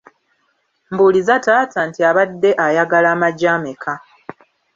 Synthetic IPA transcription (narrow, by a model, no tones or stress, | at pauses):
mbulizatatantiaβadːe̞ʔajaɡalaːmaɟaːmekʰa